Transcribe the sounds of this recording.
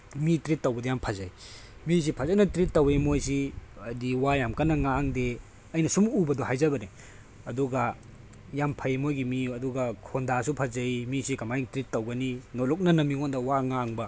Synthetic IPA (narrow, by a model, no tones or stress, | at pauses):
mitɾitːɐwbɐdjampʰazɐj | mis̬ipʰɐzajnɐtɾitːɐwemojsiɐdiwajamkɐnɐŋaŋde | ɐjnɐsumubɐdɔɦajzɐbɐni | ɐduɡɐ | jampʰɐjmojɡimiɐduɡɐkʰondasupʰɐzɐimisikɐmajiŋtɾitːɐwɡɐninolɔk̚nɐnɐmiŋondɐwaŋaŋbɐ